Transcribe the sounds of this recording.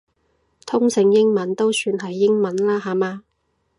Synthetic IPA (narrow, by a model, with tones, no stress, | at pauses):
t̪ʰʊ˥ŋsɪ˧ŋjɪ˥ŋmɐ˨˥nt̪o˥wsyː˧nɦɐ˨jːɪ˥ŋmɐ˨˥nlaː˥ɦaː˨maː˧